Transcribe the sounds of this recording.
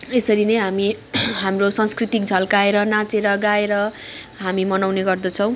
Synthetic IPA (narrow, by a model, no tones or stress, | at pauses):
esʌɾinʌjɦamiɦamrosʌ̃skrit̪ik̚d͡zʱʌlkaeɾʌnãt͡seɾʌɡaeɾʌ | ɦamimʌnawneɡʌrd̪ʌt͡sʰʌ̃w̃